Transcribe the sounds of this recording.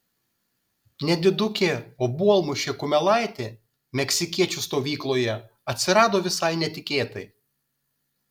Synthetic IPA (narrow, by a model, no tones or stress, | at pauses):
nʲɛd̪ʲɪd̪ʊkʲeːoːbuɔlˠmʊʃʲeːkʊmʲɛlˠɑˑɪt̪ʲeː | mʲɛksʲɪkʲiɛt͡ʃʲʊst̪oːʋʲiːklˠoːjɛ | ɐt̪ʲsʲɪɾɑːd̪oːʋʲɪsɐɪnʲɛt̪ʲɪkʲeːt̪ɐɪ